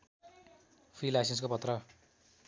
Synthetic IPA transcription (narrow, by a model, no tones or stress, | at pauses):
pʰrilajs̬ens̬kopʌt̪rʌ